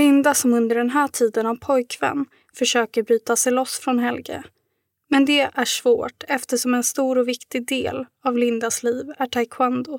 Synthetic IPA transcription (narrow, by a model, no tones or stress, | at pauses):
lɪnd̪asɔmɵnd̪əɖɛnɦæːʈʰiːd̪ənavpʰɔjkvɛ̰nː | fœʂøːkəɾbɾyːt̪asɛjlɔsfɾɔnɦɛlɡə̰ | mɛnd̪ɛʔæʂv̥o̰ːʈɛft̪əʂɔmɛnst̪uːɾɔvɪkt̪ɪɡ̚d̪ḛːl | avlɪnd̪asliːvæʈʰajkʰwand̪ʊ